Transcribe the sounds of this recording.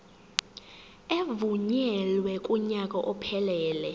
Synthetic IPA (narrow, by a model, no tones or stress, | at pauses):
evuɲɛlwɛkʼuɲakʼɔʔɔpʰɛlɛːlɛ